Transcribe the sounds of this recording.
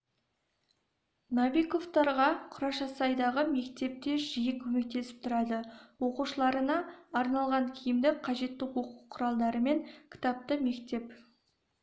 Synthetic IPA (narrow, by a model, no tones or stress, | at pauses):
nɑvʲiko̞ft̪ɑɾʁɑqʰʊɾɑʃɑsɑjd̪ɑʁəme̞kt̪e̞p̚t̪e̞ʒijɪkʲʰɵme̞k̚t̪e̞sɪ̥p̚t̪ʰʊɾɑd̪əwo̞quʃəlˠɑɾənɑːɾnɑlˠʁɑŋkʲʰɪjɪmd̪ɪkqʰɑʒe̞t̪ːɪwo̞quqʰʊɾɑlˠd̪ɑɾəme̞ŋkʲʰɪ̥t̪ɑp̚t̪əme̞kt̪e̞p